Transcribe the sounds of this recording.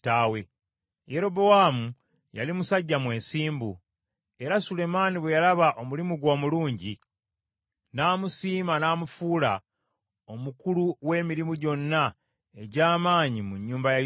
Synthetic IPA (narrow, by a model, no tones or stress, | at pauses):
tawe | jeɾo̞bo̞waːmu | ja̰limusaɟːamwe̞ːsiːmbu | e̞ɾasule̞maːniβwe̞jalaβaʔo̞mulimuɡwo̞ːmuluːɲɟi | naːmusiːmanaːmufuːla | o̞mukuluwe̞ːmiɾimuɟo̞nːa | e̞ɟaːmaːɲimuɲːuːmbaja